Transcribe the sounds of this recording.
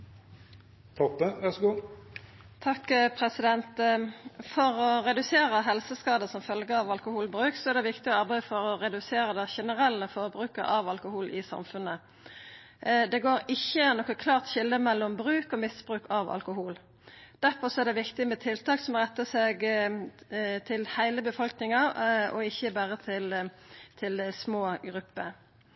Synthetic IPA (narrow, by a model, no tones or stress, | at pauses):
t̪ʰɔpːəʋæʁsɡuː | t̪ʰɑkːpʰʁɛsɪd̪ɛnt̪ | fɔʁɔʁɛd̪ʉseːɾəɦɛlsəskɑːd̪əsɔmfœlɡəɑʋɑlkʊhuːlbʁʉːksɔæʁd̪ɛʋɪkt̪ɪɔɑʁbæɪəfɔʁɔʁɛd̪ʉseːɾəd̪ɛʃɛnəʁɛlːəfoʁbʁʉːkə̰ɾʔɑʋɑlkʊhuːlʔɪsɑ̰mfʉnə | d̪ɛɡoːɾɪçːənɔkːəkʰlɑːʁt̪çɪlːəmɛlːɔmbɾʉːkɔmɪsb̥ʁʉːkɑʋɑ̰lkʊɦuːl | d̪̥æʁfɔsɔæʁd̪ɛʋɪkt̪ɪmɛt̪ʰɪlt̪ɑːksɔmɔʁɛt̪ːəseːɡ | t̪ʰɪlhæɪləbəfɔlknɪŋɑɔ̰ɪçːəbæʁət̪ʰɪl | t̪ʰɪlsmoːɡʁʉpːə